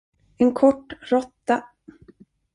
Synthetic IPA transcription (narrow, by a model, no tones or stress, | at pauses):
ɛnkʰɔʈːɾɔt̪ːa